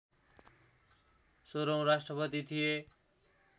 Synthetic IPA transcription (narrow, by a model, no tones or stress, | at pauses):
soɾoŋɾasʈrʌpʌt̪it̪ʰije